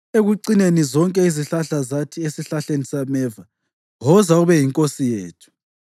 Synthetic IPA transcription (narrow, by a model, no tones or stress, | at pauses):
eɣuǀinenizɔŋkʼɛiziɬaɬazatʰiesiɬaɬenisamɛva | ɦɔzauβɛjiŋkʼosijeːtʰu̥